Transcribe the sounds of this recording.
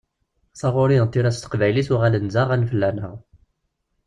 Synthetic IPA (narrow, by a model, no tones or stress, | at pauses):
sˤɑʁʊɾint̪ːiɾæst̪ə̥qvæjlisʊʁælənzaʁænfəlːænəʁ